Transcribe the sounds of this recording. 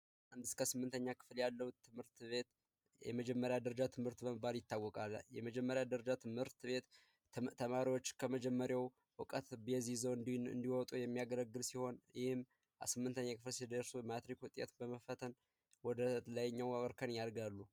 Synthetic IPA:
ʔand̪ɨskʰəsɨmːɨnt̪ʰəɲːakʰɨ̥fljalːəwuɨmɨɾt̪βet̪ | jɛ̰məd͡ʒɛmːəɾjad̪əɾəd͡ʒat̪ʰɨmhɨɾt̪bəməbːaljɪt̪ːawːɔkʼalːjɛməd͡ʒɛmːəɾjad̪əɾəd͡ʒat̪ʰɨmhɨɾt̪βe̞t̪ | t̪ʰːəmaɾiwo̞t͡ʃːkʰəməd͡ʒɛmːəɾjaw | wɨkʼət̪bjɛzizownd̪nɨ̰nd̪iwɔt̪ʼujɛmːijaɡələɡːɨlsiho̞njɪhɪm | sɨmːɨnt̪ʰəɲːakʰɨflsed̪əɾsumat̪ɾikwut̪ʼḛt̪bəməfət̪ʰən | wɔd̪ələjɲːawawəɾkʰənjaɾɡalːu

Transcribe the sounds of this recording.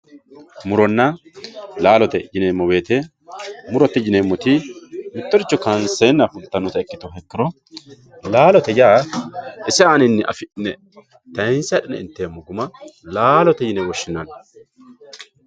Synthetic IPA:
mʊɾɔnːɐ | laːlɔt̪ɛd͡ʒɪneːmːɔbe̞ːt̪e | mʊɾɔt̪ːɛd͡ʒɪneːmːɔt̪ɪmɪt̪ːɔɾɪt͡ʃːɔkɐnseːnːɐfʊlt̪ːɐnːɔt̪ɐɛkːɪt̪ɔɦɛkːɪɾɔ | laːlɔt̪ɛjaːʔɪsɪanɪnːɪʔɐ̰fɪnːɛ | t̪ɐɪnsɐᶑɪnɛ̰ɪ̰nt̪ːemːɔɡʊmɐlaːlɔt̪ɛd͡ʒɪnɛwɔʃːɪnːɐn

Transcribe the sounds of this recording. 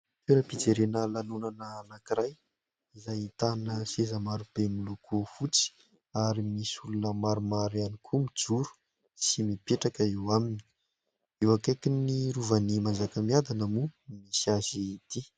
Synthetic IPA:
t̪iɾəpid͡zeɾenəlanunanəːnakiɾaj | izajit̪anəsezəmaɾub̥emulukʰufut͡si̥ | aɾimisulunəmaɾumaɾanikʰumid͡zuɾu̥ | simipeʈ͡ʂakəewamini̥i̥ | ewakajkiniɾuvənimand͡zakəmiad̪anəmumisiazit̪i

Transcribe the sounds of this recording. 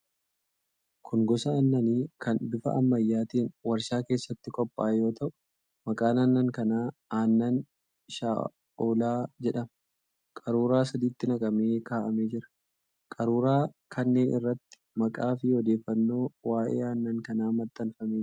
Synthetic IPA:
kʰʊŋɡɔsɐɐnːɐniːkɐnd̪ʊfɐ̰ʔɐmːɐjːaːt̪iːnwɐɾʃaːke̞ːsːɐt̪ːɪkʼɔpʼːaːjo̞ːt̪ɐʔʊ̥ | mɐkʼaːnanːɐŋkɐnaːaːnːɐn | ʃa̰ː | oːlaːd͡ʒɛᶑɐmɐ | kʼɐɾuːɾaːsɐd̪iːt̪ːɪnɐkʼɐme̞ːkaːʔɐme̞ːd͡ʒɪɾɐ̥ | kʼɐɾuːɾaː | kʰɐnːe̞ːnʔɪrːɐt̪ːɪ̥mɐkʼaːfɪɔd̪e̞ːfːɐnːo̞ːwaːʔḛːaːnːɐŋkɐnaːmɐt̪ːɐnfɐmeː

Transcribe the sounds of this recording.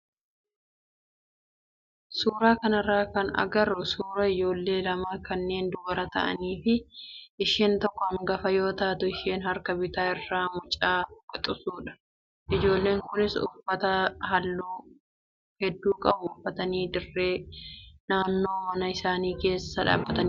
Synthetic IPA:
suːɾaːkɐnɪrːaːkɐnɐ̰ɡɐɾːʊsuːɾɐɪd͡ʒo̞ːlːe̞ːlɐmaːkɐnːe̞ːnd̪ʊbɐɾɐt̪ɐ̰ʔɐ̰niːfɪʔɪʃeːnt̪ɔkːɔɐmɡɐfɐjo̞ːt̪ɐʔt̪ʊɪʃeːnɦɐɾkɐbɪt̪aːɪrːaːmʊt͡ʃʼːaːkʼɔt̪ʼʊsuːᶑɐ̥ | ʔɪd͡ʒo̞ːlːe̞ːŋkʊnɪsʊ̰fːɐt̪ɐɦɐlːuː | hɛd̪ːuːkʼɐbʊʊfːɐt̪ɐniːd̪ɪrːe̞ːnaːnːo̞ːmɐnɐɪsaːniːke̞ːsːɐᶑa̰ːbːɐt̪ɐn

